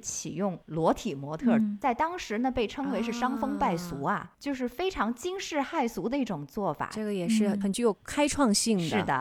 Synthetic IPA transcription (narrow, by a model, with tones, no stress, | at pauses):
t͡ɕʰḭ˨˩jʊ˥˩ŋlwɔ˧˥t̪ʰi˨˩mwɔ˧˥t̪ʰɤ˥˩t͡sa˥˩ɪt̪ɑ˥ŋʂɻ̩˧˥nə˧pe˥˩ɪʈ͡ʂʰɤ˥ŋwe˧˥ɪʂɻ̩˥˩˧ʂɑ˥ŋfɤ˥ŋpa˥˩ɪsu˧˥ɐ̰˧t͡ɕjo˥˧ʊʂ̬ɻ̩˥˩fe˥ɪʈ͡ʂʰɑ˧˥ŋt͡ɕi˥ŋʂɻ̩˥˧xa˥˩ɪsu˧˥d̪ə˧i˥˩ʈ͡ʂʊ˨˩ŋt͡swɔ˥˩fa̰˨˩ʈ͡ʂɤ˥˩ɡə˩jɛ˨˩ʂɻ̩˥˩xə˨˩nt͡ɕy˧˥jo˧˩ʊkʰa˥ɪʈ͡ʂʰwɑ˥˧ŋɕi˥˩ŋʂd̪ɻ̩˥˩d̪ə̰˩